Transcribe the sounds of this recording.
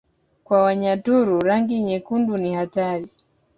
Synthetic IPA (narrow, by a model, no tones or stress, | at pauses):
kwawaɲatuɾuɾaŋɡiɲɛkundunihataɾi